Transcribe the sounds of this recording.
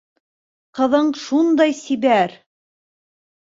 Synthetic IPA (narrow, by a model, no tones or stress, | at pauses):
qɤ̆ðɤɴʃund̪ɑjsibæɾ